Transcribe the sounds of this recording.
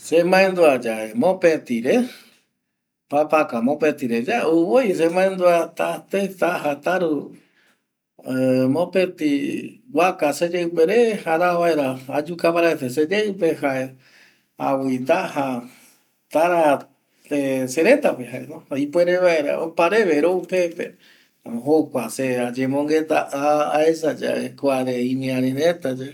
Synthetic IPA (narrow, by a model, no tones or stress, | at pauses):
semãẽnd̪uad͡ʒaʔemõpet̪iɾe | papakamõpet̪iɾe̞d͡ʒaeuβojs̬emãẽnd̪uat̪at̪et̪ahat̪aɾu | mõpet̪iwakased͡ʒewpeɾe̞haɾaβaeɾaad͡ʒukapaɾaesesed͡ʒewpehaʔe | awind̪aha | t̪aɾa | t̪eseɾe̞t̪apeɦaḛnoipweɾeβaeɾa̰o̰paɾe̞βeɾoupepḛ | ɦokʷasead͡ʒemõŋɡet̪aʔaːesad͡ʒa̰ekʷaɾeĩmĩãɾeɾet̪ad͡ʒe